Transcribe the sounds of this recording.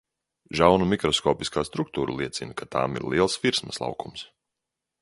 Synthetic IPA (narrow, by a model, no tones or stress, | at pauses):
ʒawnumikɾɔskɔːpiskaːst̪ɾuk̚t̪uːɾṵlˠiɛt̪sinkat̪ʰa̰ːmḭɾliɛlˠsviɾsmɐslˠɑ̰wkums